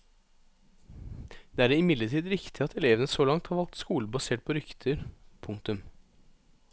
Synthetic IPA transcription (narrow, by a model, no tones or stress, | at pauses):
d̪̥eːæːɖeɪmɪd̪ləʈʰiːd̪ɾɪkt̪ʰɪɑt̪ʰɛleːʋənəsoːlɑŋt̪hɑɾʋɑlk̚t̪skuːləbɑseːʈ̚pʰɔɾʏkt̪ʰəɾpʰʊŋkt̪ʉm